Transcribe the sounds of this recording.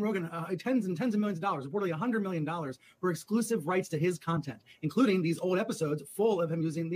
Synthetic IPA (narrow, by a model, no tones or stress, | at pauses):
ɹoʊɡɨ̃ntʰɛ̃nz̃n̩tʰɛ̃nzʌ̃vmɪlˠj̃nzʌvdɔlˠə˞zəpʰɔɹɾəbˡliəɦʌ̃ndɹəd̚mɪlˠjɨ̃ndɔlˠə˞z̥ | fə˞ɨksklusɨvɹaɪtstʰɨɪz̥kʰɑ̃ntʰɛ̃ntɨ̃nkʰl̥uɾɪ̃ŋðizoʊlˠdɛpəsoʊdz̥fʊlˠʌv̥ɨ̃mjʉzɪ̃ŋði